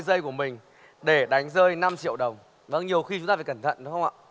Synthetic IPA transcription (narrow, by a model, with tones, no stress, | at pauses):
jzəː˧jku˧˩əmï˨˩ŋ̟ | ɗe˧˩ɗa˨˦jŋ̟zəː˧jna˧mt͡ɕḭ˧˨əwɗə˨˩wŋ͡m | və̰˧˥nɲi˨˩əwxi˧t͡ɕʊ˨˦ŋ͡mt̪aː˧˩aː˧˩kə˧˩nt̪ʰə̰˧˨nɗə˨˦wxə˧wŋ͡ma̰ː˧˨